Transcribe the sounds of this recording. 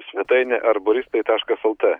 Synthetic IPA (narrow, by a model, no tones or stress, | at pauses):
sʲʋʲɛt̪ɐɪnʲɛʔɐɾbʊɾʲɪst̪ɐɪt̪ɑːʃkɐsɛlˠt̪ɛ